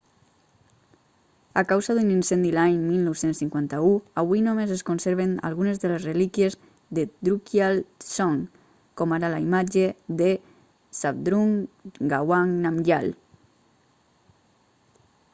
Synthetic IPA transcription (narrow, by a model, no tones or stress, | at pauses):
akawzaðuninsɛnd̪ilaɲmilˠnowsensːiŋkwant̪auaβuinomezeskonseɾβena̰lˠɣunezðəlezrelikjez | ðed̪ɾukjalsɔŋ | kɔmaɾalaimad͡ʒeðe | sap̚d̪ɾuŋɡawaŋnamʎa̰l